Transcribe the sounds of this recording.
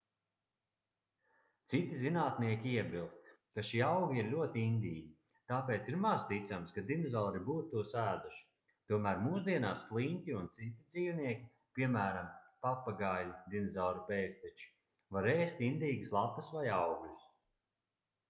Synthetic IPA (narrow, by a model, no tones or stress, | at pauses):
t̪sit̪izinaːt̪niɛkʲiiɛbʲilˠst̪ | kaʃiːawɡʲiiɾlʲuɔt̪iind̪ʲiːɡʲi | t̪apeːt̪siɾmazt̪it̪samskad̪inezɔːɾibuːt̪t̪uɔsæːd̪uʃi̥ | t̪uɔmæːɾmuːsud̪iɛnaːslˠiŋʲk̪ʲiunt̪sit̪ʲid̪ziːwniɛkʲi | pʲiɛmæːɾampapːaɡajlʲid̪inezɔwɾupeːst̪ɛt͡ʃi̥ | vaɾeːst̪ind̪iːɡɨslˠapɐsvajawɡus